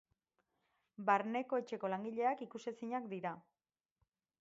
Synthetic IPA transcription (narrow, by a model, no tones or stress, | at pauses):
baɾne̞ko̞e̞t͡ʃe̞ko̞laŋɡiʎe̞akikusesiɲakd̪iɾa